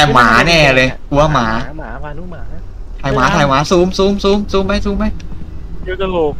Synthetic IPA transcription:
aː˧˩maː˩˦nɛː˧˩lɤː˧jku˩˦ɐ˩maː˩˦ | t̪ʰaː˧˩jmaː˨˦t̪ʰaː˧˩jwmaː˨˦suː˨˦˥msuː˦˥msuː˦˥msuː˦˥mːa˧˦˥jsuː˦˥mːa˦˥j | o˧

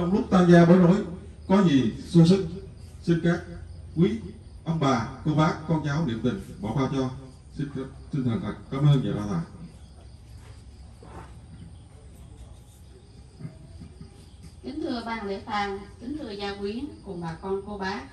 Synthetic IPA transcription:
t͡ɕɔ˧wŋ͡mlʊ˦˥k͡p̚t̪ʰaː˧mzaː˧ɓəː˨˦jno˨˦j | kɔ˨˦zi˨˩su˧sɨ˦˥ŋ̚si˧nkaː˦˥k̚kwi˨˦ | ʔə˧wŋ͡mɓaː˨˩ko˧ɓaː˨˦˥kɔ˧nt͡ɕaː˨˦wlḭ˧˩˨əmt̪ï˨˩ŋ̟ɓɔ˨˩kaː˧t͡ɕɔ˧ | si˧n˨˦si˧ŋ̟t̪ʰə˨˩nt̪a˨˩kaː˨˦mʔəː˧nɲa̰ː˨˩aː˧˩t̪ʰaː˨˩j | t̪ï˨˦ŋ̟t̪ʰɨ˧əɓaː˧˩ŋle˧˩t̪aː˧˩ŋt̪i˨˦ŋ̟t̪ʰɨ˧əzaː˧kwi˨˦ənkʊ̰˨˧˩ŋ͡mɓaː˨˩kɔ˧nko˧ɓaː˨˦˥

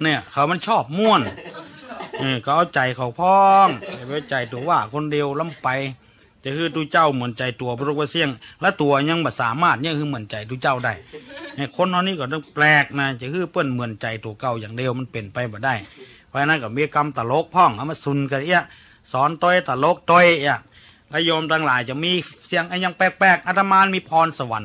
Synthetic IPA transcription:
ni˧˩əkʰa˨˩wma˧˥˨nt͡ɕʰɔː˧˥˩p̚mu˧˩˨ə˨n | ʔɯː˧˩ka˧˩ʔa˧˩wt͡ɕa˨˩jkʰa˨˩wpʰɔː˧˥˧ŋa˧˩ba˧˩ʔa˧˩t͡ɕa˨jt̪u˨˩ɐwaː˧˩kʰo˧˥˨ndi˧əwla˧˥˨mpa˨j | t͡ɕa˧˩kʰɯː˧˥˩t̪u˧˩˨t͡ɕa˧˩˨wmɯ˨˦ənt͡ɕa˨jt̪u˨˦ɐbɔ˧˨lo˧ba˧si˧˩əŋlɛ˧˩˨t̪u˨˩ɐ˧ɲa˧˨ŋbɔː˨˩saː˨˦maː˧˥˩t̪̚ɲa˧˨kʰɯː˧˥˨mɯ˧˩ə˨nt͡ɕa˨jt̪u˧˩t͡ɕa˧˩wda˧˩jna˧˩kʰo˧˥˨na˧wniː˧˥˨kɔː˧˩t̪ɔ˧˩ŋplɛː˧k̚naː˧˩t͡ɕa˧˩kʰɯː˧˥˩pɤː˧˩˨nmɯ˨˦ənt͡ɕa˨˩jt̪u˨˩ɐka˧˩wjaː˨˩ŋdi˧wma˧˥˨npe˨˩npa˧jbɔː˨˩˦da˧˩j | pʰɔː˧a˧na˧˨ka˧˩miː˧˥˨ka˧mt̪a˨˧lo˧˥k̚pʰɔ˧˥˩ŋʔa˧˨ma˧˩su˨˦nka˧˩i˧a˧˨ | sɔː˨˦nt̪o˧˨jt̪aː˧˩lo˧˥k̚t̪o˧˥˨jja˧˩ | la˧˥˨jɔː˧mt̪ʰaː˧ŋlaː˨˦jt͡ɕa˧˩miː˧˥˨si˧˩əŋʔa˧˨ɲa˧ŋpɛː˧˩k̚pɛː˧˩k̚ʔa˧˩t̪ʰa˧maː˧˥˨nmiː˧˥˨pʰɔː˧nsa˧wa˨˦n

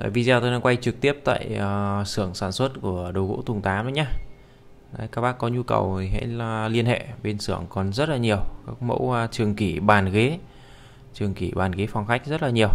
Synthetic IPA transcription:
a̰ː˧˨jvi˧zaː˧t̪o˧jnaː˧ŋkwa˧jt͡ɕɨ˨˩k̚t̪i˦˥əp̚t̪a̰ː˧˨jə˨˩sɨ˧˩əŋsaː˧˩nswə˦˥t̚ku˧˩əɗə˨˩wɣo̰˧˥t̪ʊ˨˩ŋ͡mt̪aː˨˦mɗə˨˦ɲaː˧ | aː˨˦kaː˦˥k̚ɓaː˦˥kːɔ˨˦ɲu˧kə̰˨˩wɦa̰˧˥la˨˩li˧ənhḛ˧˨ɓe˧nsɨ˧˩əŋkɔ˨˩nzə˦˥t̚laː˨˩ɲi˨˩əwkaː˦˥k̚mə̰˧˥wt͡ɕɨ˨˩əŋki˧˩ɓaː˨˩nɣe˨˦ | t͡ɕɨ˨˩əŋki˧˩ɓaː˨˩nɣe˨˦fa˨˩wŋ͡mxa˦˥k̟̚zə˦˥t̚laː˨˩ɲi˨˩əw

